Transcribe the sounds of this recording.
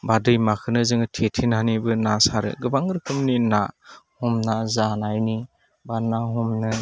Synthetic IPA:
badɯjmakʰɯnɯzɯŋɯtʰetʰinhanibɯnasaɾɯ̰ɡɯbaŋɾɯkʰɯmnina̰hɔmnazanajni | banaɦɔmnɯ

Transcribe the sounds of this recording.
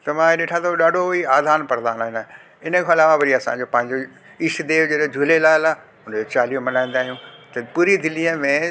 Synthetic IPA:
t̪ɐmãːeɗeːʈʰãt̪ʰoɗaːɖʱoiaːd̪ʱaːnpɐɾ̃d̪aːɦnaːɦɪnɐ | ɪnə̆kʰeɐlaːʋaʋɐɾiɐsã̰ɲd͡ʑopɐ̃ɦɪ̃ɲd͡ʑo | ɪʃd̪eːʋd͡ʑeːɗed͡ʑʱuːlelaːla | ʊnd͡ʑot͡ɕaːlijõmɐnaːĩnd̪aːɦijũt̪ɐpuːɾid̪ɪliəmẽ

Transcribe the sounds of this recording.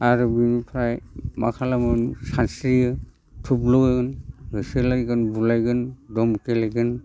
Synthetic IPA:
aɾɯbinpʰɾajmakʰalamɯnsansɾijɯ | tʰublɔɡjɡɯnɾɯsɯlajɡɯnbulajɡɯndɔmkelajɡɯn

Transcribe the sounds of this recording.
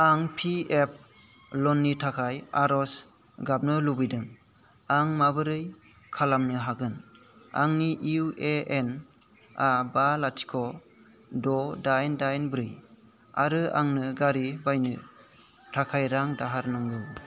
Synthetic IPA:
aŋpʰiep̚ʰ | lɔnːitʰakʰajaɾɔs | ɡap̚nɯlubijdɯŋ | aŋmabɯɾɯj | kʰalamnɯɦaɡɯn | a̰ŋniʔiueen | abalatʰi̥kʰɔ | dɔdajndajnbɾɯj | aɾɯaŋnɯɡaɾibajnɯ | tʰakʰajɾaŋdaɦaɾnɯŋɡɯ

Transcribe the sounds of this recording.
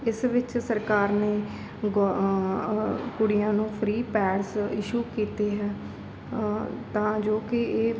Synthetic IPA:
ɪsʋɪt͡ʃsəɾkaːɾneː | ɡ | kʊɽɪjãːnũːpʰɾiːpɛːɽsɪʃuːkiːt̪eːɦɛː | t̪ãːd͡ʒoːkɪeː

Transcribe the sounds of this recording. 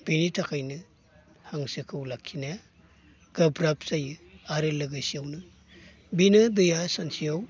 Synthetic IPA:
b̥initʰakʰajnɯ | haŋsɯkʰɯwlakʰːinaja | ɡ̥ɐbɾap̚zajɯaɾɯlɯɡajsiawnɯ | binɯdɯjasansiaw

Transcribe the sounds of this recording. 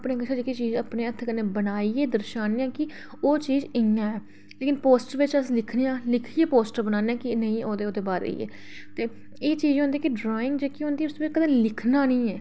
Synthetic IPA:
əpneːɡət͡ʃʰad͡ʒekiːt͡ʃiːzəpneːət̪ʰkəneːbənaːiːeːd̪əɾʃaːnɪjãːkɪ | oːt͡ʃiːzɪãːɛː | leːkɪnpoːsʈəɾʋɪt͡ʃəsĩːlɪkʰnejãːlɪkʰiːeːpoːsʈəɾbənaːneãːkɪnəĩːoːd̪eːoːd̪eːbaːɾḛːɛ̰ː | t̪eː | eːt͡ʃiːzd͡ʒɦʊ̃nd̪iːkɪɖɾoːɪ̃ŋɡd͡ʒeːkiɦʊ̃nd̪iːʊsd̪oːbɪt͡ʃkəd̪ə̃ːlɪkʰnaːnə̃ːɛː

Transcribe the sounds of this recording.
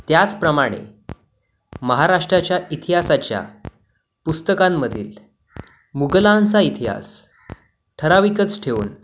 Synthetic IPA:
t̪jat͡spɾəmaɽ̃ḛ | məɦaɾaʂʈɾat͡ɕjaʔit̪ʰiɦasat͡ɕja̰ | pust̪əkamːəd̪ʱḭːl | muɡlant͡sait̪ʰiɦa̰s | ʈʰəɾaʋikət͡sʈʰeʋṵːn

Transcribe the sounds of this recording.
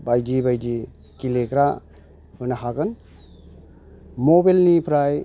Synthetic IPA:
bajdibajdi | kilekɾa | ojnaɦaɡɯn | mobelnipʰɾaj

